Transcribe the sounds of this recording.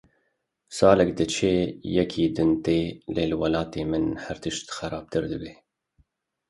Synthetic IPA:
sɑːlɛkd̪ɨt͡ʃʰeːjɛkʰiːd̪ɨnt̪eːleːlɨwɑlɑːt̪eːmɨnhæɾt̪ɨʃt̪xɛɾɑːb̥̚t̪ɨɾd̪ɨbeː

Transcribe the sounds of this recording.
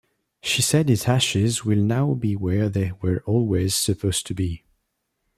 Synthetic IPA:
ʃisɛdɪzaʃɪzwɪlˠnaʊbiwə˞ðeɪwə˞ʔɔlˠwez̥sɨpʰoʊstʰɨbi

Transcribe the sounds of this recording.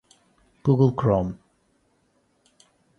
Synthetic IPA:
ɡ̥uɡəlˠkʰɹɔm

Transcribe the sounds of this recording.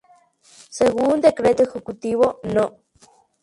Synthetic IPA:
seɣund̪ekɾet̪oxekut̪iβono

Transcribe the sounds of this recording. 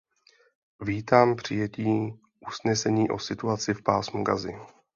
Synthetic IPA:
viːt̪aːmpr̝̥ɪjɛciː | ʔusnɛsɛɲiːʔo̞̰sɪt̪uat͡sɪfpa̰ːsmuɡa̰zɪ̰

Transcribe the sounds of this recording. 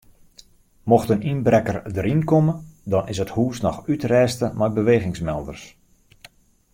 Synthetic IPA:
moxtəninbrɛkərdəɾinkomədɔnɪsəthuːsnɔxytrɛːstəmɛjbəʋeːɣɪŋsmɛlˠdərs

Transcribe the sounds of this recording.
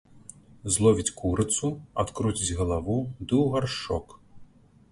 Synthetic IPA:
zlˠɔvʲit͡sʲkuɾɨt̪sua̰t̪kɾut͡sʲid͡zʲɣɐlˠavud̪ɨwɣarʂɔ̰k

